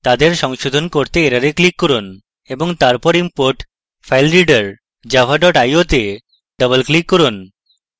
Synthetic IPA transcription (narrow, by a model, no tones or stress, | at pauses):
t̪ad̪eɾʃɔŋʃod̪ʱonkoɾt̪eeɾaɾeklikːɔɾon | eboŋt̪aɾpɔɾimpoɾʈ | fʰajlɾiɖaɾ | d͡ʑafʰaɖɔʈajot̪e | ɖʌbəlklikːɔɾon